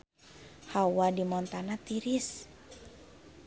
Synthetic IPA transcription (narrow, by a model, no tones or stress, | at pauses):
hawadimɔnt̪anat̪iɾis